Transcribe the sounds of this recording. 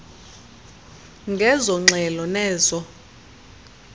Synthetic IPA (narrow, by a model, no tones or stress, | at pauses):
ŋɡʱɛzɔŋ͡ǁʱɛlɔnɛːzɔ